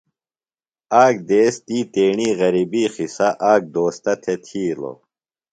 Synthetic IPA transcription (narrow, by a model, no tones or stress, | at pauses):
aːk̚d̪eːst̪iːt̪eːɳiːɣɐɾiːbiːxisɐʔaːk̚d̪oːst̪ɐt̪ʰet̪ʰiːlo̰